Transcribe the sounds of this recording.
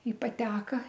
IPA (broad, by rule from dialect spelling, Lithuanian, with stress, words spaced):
ɪ pɐˈtʲæːkɐ